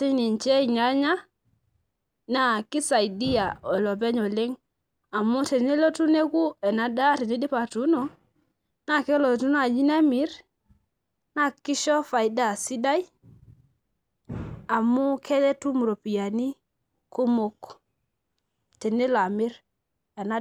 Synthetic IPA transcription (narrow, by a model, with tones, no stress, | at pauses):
ti˦ɲni˨ɲt͡ʃɛ˦i˨ɲa˨˦ɲa˦ | na˨kɪ˦sa˨i˨di˦ja˨ɔ˨lɔ˨bɛ˦ɲɔ˨le˦ŋ | a˨mu˦te˨ne˦lo˦tu˦ne˦ku˦ɛ˨na˨da˦ti˨ni˦di˦pa˨tu˦no˨ | na˨ke˦lɔ˨tu˦n˦a˨d͡ʒi˦na˦mi˨˦ɾ | na˦˨kɪ˦ʃɔ˦fa˨jda˦˨si˦da˦ji˦ | a˨mu˦kʰe˦lɛ˦tu˦mu˨ɾo˨pi˨ja˨ni˦ | ko˦mo˦k | te˨ne˦la˨mɪ˦ɾ | ɛ˨na˦